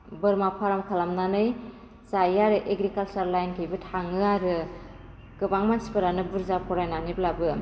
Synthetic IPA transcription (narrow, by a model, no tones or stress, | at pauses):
bɯɾmapʰaɾamkʰalamnanɯj | sajaɾɯʔeɡɾikalsaɾlajnkʰɯjbɯtʰaŋɯaɾɯ | kɯbaŋmansi̥pɯɾanɯbɯɾzapʰɔɾajnaniblabɯ